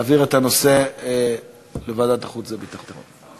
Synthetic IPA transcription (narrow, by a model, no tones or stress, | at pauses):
viʁet̪ano̞se | levaːd̪at̪aχut͡szebit̪aχt̪eʁo̰n